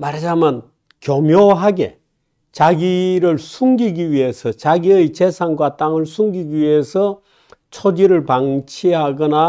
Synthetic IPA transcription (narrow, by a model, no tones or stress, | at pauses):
maɾd͡ʑaman | kjomjoɦaɡe̞ | t͡ɕaɡiɾɯɭsʰuŋɡiɡiɥiɦe̞sʰʌt͡ɕaɡiɯjt͡ɕesʰaŋɡwat͈aŋɯɭsʰuŋɡiɡiwɥiɦe̞sʰʌ | t͡ɕʰod͡ʑiɾɯɭpaŋt͡ɕʰiɦaɡʌna